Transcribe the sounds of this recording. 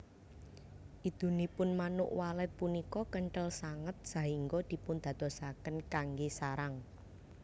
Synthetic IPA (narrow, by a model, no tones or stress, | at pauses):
ʔid̪̥ṳnipʊnmanʊ̰ʔwalɛt̪̚punikɔkəɳʈəlsaŋət̪̚saɦiŋɡɔd̪̥i̤pʊnd̪̥a̤d̪̥ɔ̤sakənkaŋɡesaɾaŋ